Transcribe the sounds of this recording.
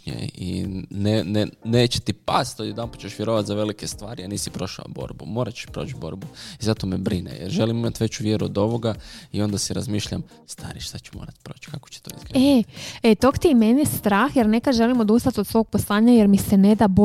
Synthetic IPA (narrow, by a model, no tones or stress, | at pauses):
ɲḛḭneneneːt͡ʃe̥t̪ipast̪ojed̪anpḁt͡ʃeʃʋjeɾoʋat̪zaʋe̞likest̪ʋaːɾianiːsipɾo̞ʃa̰bo̞̰ːɾbumo̞ːɾat͡ʃe̥ʃpɾoːt͡ʃbo̞̰ɾbuizat̪omebɾinḛjeɾʒe̞limimat̪ʋe̞t͡ʃuʋjeɾuod̪o̞ʋo̞ɡaio̞nd̪asiɾazmiːʃʎa̰m | st̪a̰ɾiʃt̪at͡ʃe̥mo̰ːɾat̪pɾoːt͡ʃkako̥t͡ʃe̥t̪oizɡeet̪okt̪iimenjest̪ɾaːxjeɾne̞kaʒe̞limod̪ust̪at̪od̪sʋo̞ɡ̚poslˠaːɲajeɾmisened̪abo